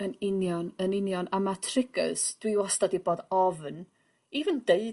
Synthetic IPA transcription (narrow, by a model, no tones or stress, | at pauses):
ənɪnjɔnənɪnjɔnamatʰrɪɡə̰sd̥wiwɔstadiboːdɔvn | ivəndeɨ